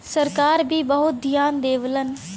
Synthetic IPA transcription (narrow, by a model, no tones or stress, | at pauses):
səɾkaːɾbʱiːbəɦʊt̪̚d̪ʱijaːnd̪eːʋlən